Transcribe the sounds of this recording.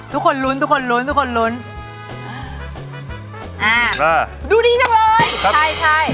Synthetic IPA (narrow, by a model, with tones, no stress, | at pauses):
t̪ʰu˦˥kʰo˧nlu˦˥nt̪ʰu˦˥kʰo˧nlu˦˥nt̪ʰu˦˥kʰo˧nlu˦˥nː˧˩ | ʔaː˧˩aː˧˩ | duː˧diː˧t͡ɕa˧˩ŋlɤː˧˥jʰa˥˩jt͡ɕʰa˥˩j